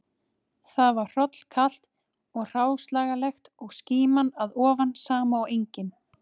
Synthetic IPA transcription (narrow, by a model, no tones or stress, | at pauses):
θaðvaɾ̥r̥ɔt̪l̥kʰal̥t̪ | ɔɣr̥aːwslaːɣalɛxt̪ɔɣsciːmanaðɔːvansaːmaɔwejɲcɪn